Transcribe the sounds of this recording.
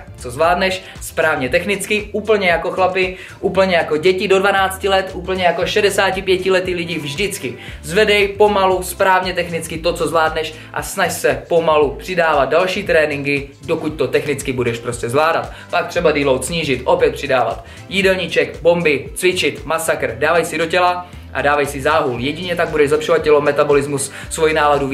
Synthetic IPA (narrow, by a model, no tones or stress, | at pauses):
t͡sozvlaːdnɛʃ | spɾaːvɲɛt̪ɛxnɪt͡skɪʔuːpl̩ɲɛjako̞xlapɪ | ʔuːpl̩ɲɛjako̞ɟɛcɪdo̞dvanaːt͡scɪlɛt̪ʔuːpl̩ɲɛjako̞ʃɛdɛsaːcɪpjɛcɪlɛt̪ilɪɟivʒdɪt͡skɪzvɛdɛjpo̞maluspɾaːvɲɛt̪ɛxnɪt͡skɪt̪o̞t͡so̞zvlaːdnɛʃ | ʔa̰snaʃsɛpo̞malupr̥ɪdaːvat̪̚dalʃiːt̪ɾɛːnɪŋɡɪdo̞kuc̚t̪o̞t̪ɛxnɪt͡skɪbudɛʃpɾoscɛzvlaːdat̪ | pak̚t̪r̥ɛbadiːlowt̪sɲiːʒɪt̪ʔo̞pjɛt̪̚pr̥ɪdaːva̰t̪ | jidɛlɲit͡ʃɛkbo̞mbɪt͡svɪt͡ʃɪt̪masakr̩daːvajsɪdo̞cɛla | ʔa̰daːvajsɪzaːɦuljɛɟɪɲɛt̪aɡ̚budɛʒzlɛpʃovat̪̚cʲɛlo̞mɛt̪abo̞lɪzmus | svojinaːladu